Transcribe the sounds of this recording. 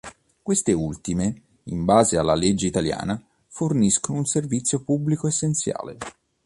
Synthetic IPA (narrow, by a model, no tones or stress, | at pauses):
kwest̪eult̪ime | imbaːzealːaled͡ʒːeit̪alja̰ːna | forniskonounservit̪sːjopublikoesːent̪sja̰ːlḛ